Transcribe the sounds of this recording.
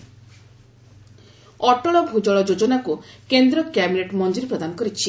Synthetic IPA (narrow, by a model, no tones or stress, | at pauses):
ɔʈɔɭɔbʱud͡ʒɔɭɔd͡ʒod͡ʒɔnakukend̪ɾɔkjabineʈmɔnd͡ʒiɾpɾɔd̪anɔkɔɾit͡ʃʰi